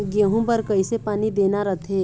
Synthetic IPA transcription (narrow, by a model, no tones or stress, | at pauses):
ɡeɦũbəɾkəɪsepaːnid̪eːnaɾət̪ʰeː